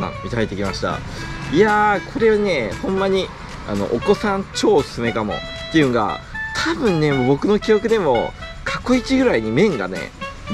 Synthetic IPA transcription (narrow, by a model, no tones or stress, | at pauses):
ã̰mʲit̪ait̪ːekʲimaɕi̥t̪a̰ | iakʰo̞ɾe̞βane̞hõ̞mːaɲ̟i | a̰no̞̰ʔoko̞sãnt͡ɕo̞ːsɨ̥sɨme̞kamo̞̰ | t̪ːe̞jɯ̟̃ŋɡa̰t̪ʰabɯ̟̃nːe̞mobo̞kɯ̟no̞kʲio̞kɯ̟d̪e̞mo̞kʰḁko̞it͡ɕiɡɯ̟ɾaiɲ̟imẽ̞ŋɡa̰ne̞̰